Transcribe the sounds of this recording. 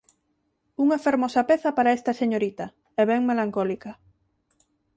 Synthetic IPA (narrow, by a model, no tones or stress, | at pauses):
uŋɐfeɾmɔsɐpeθɐpaɾaest̪ɐseɲoɾit̪ɐ | ɛβɛŋmelaŋkɔlikɐ